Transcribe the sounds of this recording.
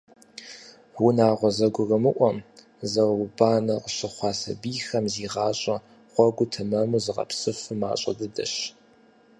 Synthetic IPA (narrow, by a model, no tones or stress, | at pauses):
unaːʁʷɔzɐɡʷʊɣɐmɨʔʷɔm | zɐwbaːnɐqəɕɪχʷɑːsɐ̰biːxɐmziːʁɑːɕʼɐ | χʷɔɡʷʊtʰɨmɐmuzɨʁɐ̰psɨfɨma̰ːɕʼɐdɨdɐ̰ɕ